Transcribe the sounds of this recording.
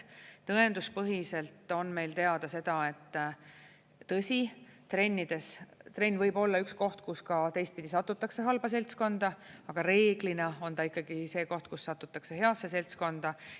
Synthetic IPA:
t̪ɤe̞nd̪̥uspɤɦiselt̪ˑo̞nme̞jlt̪e̞ɑd̪̥ɑse̞d̪̥ɑe̞t̪ːˑ | ɤsʲit̪re̞nʲːid̪̥e̞st̪re̞nʲːvɤjbo̞lːɑyksko̞ht̪kuskɑt̪e̞jst̪̚pid̪̥ʲisɑt̪ːˑut̪ːˑɑkse̞ɦɑlb̥ɑse̞lʲt̪sko̞nd̪ɑɑɡ̥ɑɾe̞ːɡ̥linɑo̞nt̪ɑikːɑɡ̥ise̞ːko̞ht̪̚kusːɑt̪ːˑut̪ːˑɑkse̞ɦe̞ɑsːe̞se̞lʲt̪sko̞nd̪̥ɑ

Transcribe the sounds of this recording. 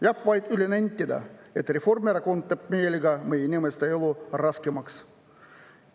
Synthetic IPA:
jɑpʋɑjt̪ylʲenenʲt̪ʲːed̪ɑ̰et̪rʲeformʲeɾɑkont̪ːep̚mʲeelʲɡɑmejnʲemest̪ɑelˠurɑskemɑks

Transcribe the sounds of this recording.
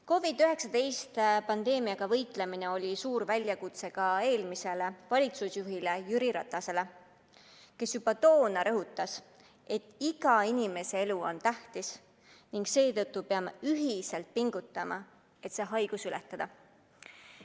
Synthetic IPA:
ko̞vid̪yɦe̞ksɑt̪e̞jst̪pɑnd̪e̞ːmiɑɡ̥ɑvɤ̞jt̪ˑle̞mine̞o̞lʲisuːɾvælʲjɑkut̪se̞ɡ̥ɑe̞ːlmise̞le̞vɑlʲit̪susjuɦile̞jyɾiɾɑt̪ːˑɑse̞le̞ | ke̞sjub̥ɑt̪o̞ːnɑɾɤɦut̪ːˑɑs | e̞t̪ˑːiɡ̥ɑinime̞se̞e̞luo̞̰nt̪æht̪is | niŋɡse̞ːt̪ɤt̪ːupeɑmeyɦiselt̪̚piŋɡ̥ut̪ːˑɑmɑ̰ | et̪se̞ːɦɑjɡ̥usylet̪ːˑɑd̪̥ɑ

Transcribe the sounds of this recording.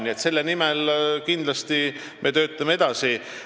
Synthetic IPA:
nʲie̞t̪se̞lːenimɛlkind̪lɑst̪i | mʔe̞t̪øːt̪ˑːɑmee̞d̪̥ɑsi

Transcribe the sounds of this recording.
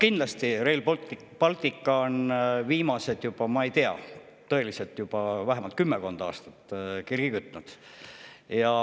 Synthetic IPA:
kind̪lɑst̪iɾelt̪ | pɑlt̪ʲˑikːˑɑo̞nviːmɑse̞d̪̥jub̥ɑmɑe̞jt̪eɑ̰ | t̪ɤ̞e̞lise̞lt̪ːjub̥ɑvæɦemɑlt̪̚kymːeko̞nd̪̥ɑɑ̰ːst̪ɑ̥t̪ːˑkirɡ̥ikyt̪ːˑnud̪̥ | jɑ

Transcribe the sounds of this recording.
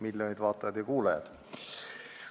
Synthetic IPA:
milʲːjonʲid̪vɑːt̪ːˑɑjɑd̪̥jɑkuːlɑjɑ̰d̪̥

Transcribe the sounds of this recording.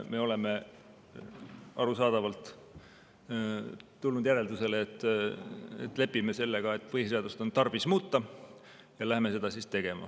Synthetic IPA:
me̞o̞le̞me̞ | ɑɾusɑːd̪̥ɑvɑlt̪ˑ | t̪ulnud̪̥jæɾe̞ld̪use̞leːt̪ːˑ | ḛt̪ːˑle̞pːˑime̞se̞lːeɡ̥ɑe̞t̪ːˑpɤjihseɑd̪ust̪o̞nt̪ɑrb̥ismuːt̪ːɑ | jɑlæɦhme̞se̞d̪̥ɑsist̪e̞ɡ̥e̞mɑ̰

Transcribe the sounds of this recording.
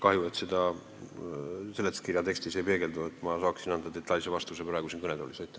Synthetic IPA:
kɑhjuet̪sed̪̥ɑ | se̞lːet̪skirjɑt̪ekst̪ise̞jpe̞ːɡe̞ld̪uet̪ːˑmɑsɑːksinɑnd̪ɑd̪e̞t̪ːˑɑjlsevɑst̪use̞prɑˑeɡusinkɤned̪o̰lʲisɑjt̪ːˑ

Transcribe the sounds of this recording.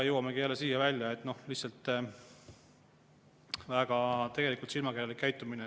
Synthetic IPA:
jɤwɑme̞ɡijælːesiːjɑvælʲjɑe̞t̪ːˑno̞hlihtsɑlt̪ːˑ | væːɡ̥ɑt̪e̞ɡ̥e̞likult̪silmɑkerjɑlikːæjt̪ˑːumine

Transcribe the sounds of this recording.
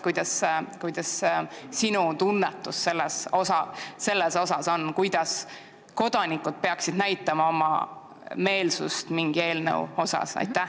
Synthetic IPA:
kujd̪̥ɑskujd̪̥ɑssinut̪unːet̪ːˑusːe̞lːesosɑse̞lːeso̞sɑso̞nkujd̪̥ɑs | ko̞d̪̥ɑnikˑud̪̥̚pe̞ɑksid̪næjt̪ːˑɑmɑo̞mɑ̰ | me̞ːlsṵst̪miŋɡ̥ie̞ːlnə̰wo̞sɑ̰sɑ̰jt̪ːˑæ

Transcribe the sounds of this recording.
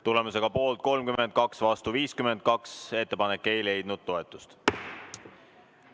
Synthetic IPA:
t̪ule̞muse̞ɡ̥ɑpo̞ːlt̪̚ko̞lmkymend̪̚kɑksvɑst̪uviːskymend̪̚kɑkse̞t̪ːe̞pɑnekːe̞jle̞jd̪̥nud̪̥̚t̪o̞e̞t̪ˑːust̪

